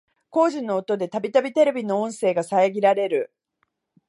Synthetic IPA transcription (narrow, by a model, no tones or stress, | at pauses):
ko̞ːʑĩnːo̞ːt̪o̞d̪e̞t̪abʲit̪abʲit̪e̞ɾe̞bʲino̞õɰ̃se̞ːɡasaeɡʲiɾaɾe̞ɾɯ̟